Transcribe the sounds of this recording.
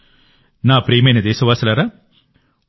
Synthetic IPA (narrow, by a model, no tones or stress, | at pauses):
naːpɾeːmɐjnɐd̪ɛːsɐʋaːsɐlaːɾaː